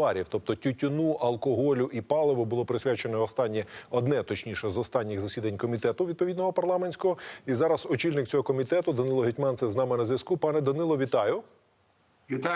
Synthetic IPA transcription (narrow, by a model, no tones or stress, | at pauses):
ɑɾʲiwt̪ɔp̚t̪ɔtʲʊtʲʊnuʔɐlˠkɔɦɔlʲʊʔipɑlˠeʋʊbʊlˠɔpɾɪsʲʋʲat͡ʃenɔɔst̪ɑnʲːiɔd̪nɛt̪ɔt͡ʃnʲiʃɛzɔst̪ɑnʲːɪɣzɐsʲid̪ɐnʲkɔmʲit̪ɛt̪ʊʋʲid̪̚pɔʋʲid̪nɔɦɔpɐrlˠɑmenʲsʲkɔɦɔizɑɾɐzɔt͡ʃilʲnɪk̚t͡sʲɔɦɔkɔmʲit̪ɛt̪ʊd̪ɐnɪlˠɔɦɪtʲmɑnt̪sɛznɑmɪnɐzʲʋʲjɐskupɑnɛd̪ɐnɪlˠɔʋʲit̪ɑjʊ